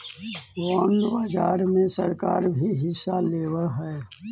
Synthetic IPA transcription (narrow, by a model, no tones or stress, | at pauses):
waːɳɖbad͡ʒaːɾmẽsɐɾka̰ːɾbʱiɦɪsaleːwaɦɛː